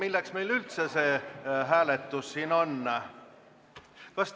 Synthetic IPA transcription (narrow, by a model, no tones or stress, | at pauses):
ilːeksme̞jlylt̪se̞se̞ːɦæːlet̪ːˑusːiːnonːɑ | kɑs